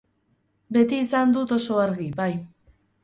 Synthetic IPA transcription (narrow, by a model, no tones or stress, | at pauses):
be̞t̪iːsand̪ut̪o̞so̞aɾɣibaj